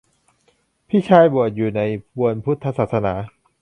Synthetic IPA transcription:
pʰiː˥˩t͡ɕʰaː˧jbu˨˩ət̪̚juː˨˩na˧jpʰu˧ənpʰu˦˥t̪ʰːa˧saː˨˩t̪̚sa˧na̰ː˩˦

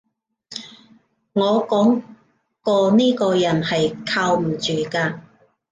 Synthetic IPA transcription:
ŋɔː˨˧kɔː˨˥ŋ | kɔː˧niː˥kɔː˧jɐ˨˩nhɐ˨jkʰaː˧wm̩˨˩t͡ʃyː˨kaː˧

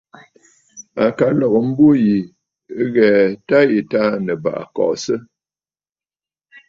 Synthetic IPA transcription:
a˨ka˨lɔ˨ɣə˨m̩˦bo˦ji˨˦ | ɣɛ˨ta˦ji˨ta˦nə˨ba̰˨ʔkɔ̰ː˨ʔsə˦

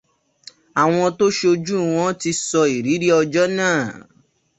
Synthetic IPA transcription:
a˨w̃ɔ̃˧to˦ʃe˦o˧d͡ʒu˦˨w̃ɔ̃˦ti˧sɔ˧i˨ɾi˨˦ɾi˦ɔ˧d͡ʒɔ˦nãː˦˨

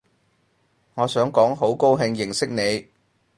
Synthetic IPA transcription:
ŋɔː˨˧sœː˨˥ŋkɔː˨˥ŋɦo˨˥wko˥wɦɪ˧ŋjɪ˨˩ŋsɪ˥k̚ne˨˧j

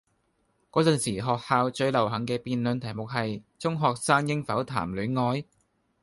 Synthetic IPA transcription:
kɔː˨˥t͡sɵ˨nsiː˨˩ɦɔː˨k̚haː˧wt͡sɵ˧ɥlɐ˨˩wɦɐ˨˥ŋkɛː˧piː˨nlɵ˨˧nt̪ʰɐ˨˩jmʊ˨k̚hɐ˨jt͡sʊ˥ŋɦɔː˨k̚saː˥ŋjɪ˥ŋfɐ˨˥wt̪ʰa̰ː˨˩mly˨˥nŋɔː˧j

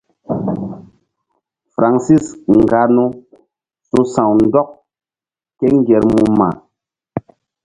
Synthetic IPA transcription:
fɾʔa˨ŋsi˦sŋ̩˨ɡa˨nu˦ | su˦sã˨wn̩˦dɔ˦k̚ | kɛ˦ŋ˦ɡɛ˨ɾmu˨ma̰˨

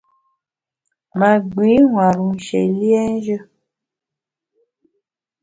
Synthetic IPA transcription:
ma˨ɡ͡bi˨˦ŋwa˨ɾu˨n̩˨ʃḛ˨li˦ɛ˦n˦ʒə˦

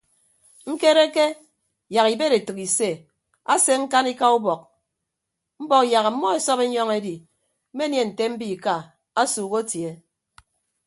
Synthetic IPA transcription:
ŋ̩˦ke˦ɾe˦ke˦ | ja˨ki˨be˦ɾe˨tu˨ki˨se˦˨ | a˦se˦ŋ̩˦ka˦ni˦ka˦u˦bɔ˨k̚ | m̩˦bɔ˦kja˨ɣa˨m̩˦mɔ˦e˨sɔ˦pe˦ɲɔ˦ŋe˦di˨ | m̩˦me˦nje˨n̩˨te˦m̩˦bi˦˨ka˨ | a˦suː˨ɣo˦tje˨

